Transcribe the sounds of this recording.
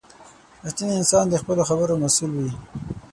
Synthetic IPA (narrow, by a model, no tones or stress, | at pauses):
at̪iniɪnsɑnd̪əxpəloxabəɾomasulwi